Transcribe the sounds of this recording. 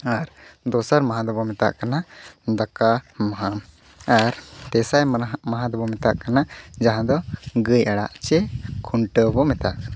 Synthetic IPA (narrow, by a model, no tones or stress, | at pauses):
aɾd̪ɔsaɾmaɦãd̪ɔbɔmɛt̪a̰ʔkanad̪akamaɦam | aɾt̪ɛsajmaɦãd̪ɔbɔmɛt̪aʔkanad͡ʒaɦãd̪ɔɡəjaɽa̰ʔt͡ʃɛkʰuɳʈəbɔmɛt̪a̰ʔkana